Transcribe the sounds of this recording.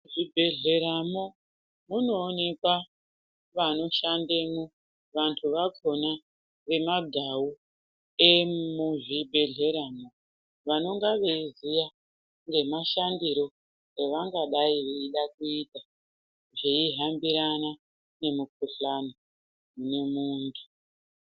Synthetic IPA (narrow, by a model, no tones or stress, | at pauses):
ʐibʱe̞ɮe̞ɾamo | muno̞ːne̞kwa | ʋano̞ʃandemu | ʋantʰuʋakʰo̞na | ʋe̞maɡʱawu | emuʐibʱe̞ɮe̞ɾamo̞ | ʋano̞ŋɡaʋeizija | ŋɡe̞maʃandiɾo̞ | eʋaŋɡaɗaiʋeiɗak̚uita | ʐeiɦambiɾana | ne̞muk̚uɬano | mune̞muːntʰu